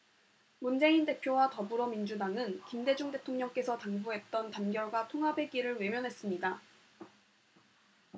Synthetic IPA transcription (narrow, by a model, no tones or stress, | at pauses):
mund͡ʑe̞inde̞pʰjowatʌbuɾʌmind͡ʑudaŋɯnkimde̞d͡ʑuŋde̞tʰoŋɲʌŋk͈e̞sʰʌtaŋbuɦe̞t̚t͈ʌntanɡjʌɭɡwatʰoŋɦabe̞ɡiɾɯɭwe̞mjʌnɦe̞s͈ɯmɲida